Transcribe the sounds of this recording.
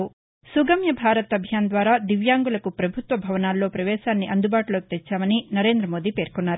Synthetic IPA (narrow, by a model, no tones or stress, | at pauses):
suɡɐmjɐbʱaːɾɐt̪ɐbʱjaːnd̪ʋaːɾaːd̪iʋjaːŋɡulɐkupɾɐbʱut̪ʋɐbʱɐʋɐnaːlːo̞ːpɾɐʋɛːʃaːnːiʔɐnd̪ubaːʈlo̞ːki̥t̪et͡ʃːaːmɐninɐɾe̞ːnd̪ɾɐmo̞ːd̪ipe̞ːɾkɔnːaːɾu